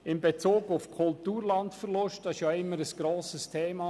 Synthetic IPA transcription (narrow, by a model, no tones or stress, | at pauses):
ɪmbet͡suːɡʊfkʰʊltuːɾlɑntfərlʊʃt̚d̥ɑɪʃjɑɪmːəɾəsɡ̥ɾoːsəstʰeːmɑ